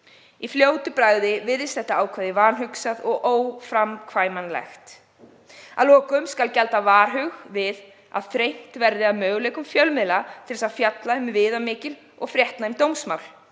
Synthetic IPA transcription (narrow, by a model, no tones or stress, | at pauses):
ifljoːwt̪ʏpɾaːjðɪvɪðɪst̪θɛht̪aaːwkʰvaðɪvaːnɦʏksaðɔɣʔoːwfɾamkʰvaːjmanlɛ̰xt̪ | aðlɔːkʏmskalcɛlt̪avaːɾ̥ɦʏɣvɪð | a̰ðθɾejn̥t̪vɛɾðɪaðmœːɣleːjkʏmfjœlmɪðlat̪ʰɪlɪsaðfjat̪laɪmvɪːðamɪːcɪl | ɔɣfɾjɛht̪naɪmt̪owmsmawl